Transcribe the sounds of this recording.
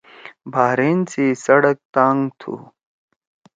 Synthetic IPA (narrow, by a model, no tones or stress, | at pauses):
bʱaːɾeːnsisɐɽɐk̚t̪aːŋɡt̪ʰṵ